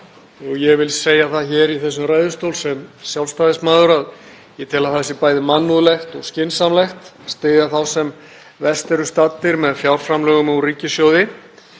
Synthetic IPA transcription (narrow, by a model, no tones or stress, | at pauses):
ɔɣjɛɣvɪlseːjaθaðçɛːɾiθɛsːʏmraːjðʏst̪owlsɛmsjawlfst̪aːðɪsmaːðʏɾað | jɛt̪ʰɪlaθɛsːɪpaːjðɪmanːuðlɛxt̪ɔɣscɪnsamlɛxt̪st̪eːjðaθawsɛm | vɛst̪ɛɾʏst̪at̪ːɪɾmɛðfjawɾ̥fɾamlœːɣʏmɔɣriːcɪsjowðɪ